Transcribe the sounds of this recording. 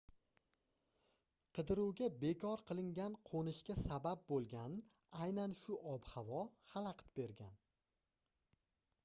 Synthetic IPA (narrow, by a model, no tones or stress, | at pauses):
qʰɨd̪ɪɾuwɡʲabe̞kʰɒɾqʰɨlˠɪŋɡʲanqʰonɪʃkʲasabap̚bolˠɡʲan | ajnanʃʊʔɒbhavɒhalˠaqt̪be̞ɾɡʲan